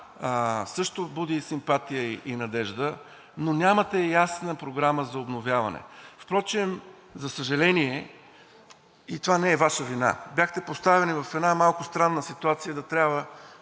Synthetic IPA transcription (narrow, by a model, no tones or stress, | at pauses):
sɤʃt̪obud̪isimpat̪ijəiʔinɐd̪ɛʒd̪ə | nonʲamɐt̪ɛjasnəpɾoɡɾaməzɐobnovʲjavɐ̰nɛ̰fpɾɔt͡ʃɛm | zɐsəʒɐlɛniɛ | it̪ovanɛɛvaʃəvina̰bjaxt̪ɛpost̪avɛnivɐfɛd̪namalˠkʊst̪ɾanːəsit̪uat̪sijəd̪ɐt̪ɾʲjabvə